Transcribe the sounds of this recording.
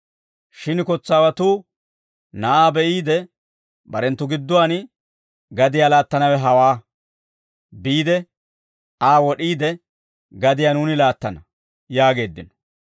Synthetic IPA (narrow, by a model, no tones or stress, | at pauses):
ʃɪnkɔt͡sːaːwɐt̪uː | nɐʔaːbɛʔiːd̪ɛ | bɐɾɛnt̪ːʊɡɪd̪ːʊwaːn | ɡɐd̪ɪjaːlaːt̪ːɐnɐwɛɦɐwaː | biːd̪ɛ | aːwɔɗiːd̪ɛ | ɡɐd̪ɪjaːnuːnɪlaːt̪ːɐnɐ | jaːɡe̞ːd̪ːɪnɔ̥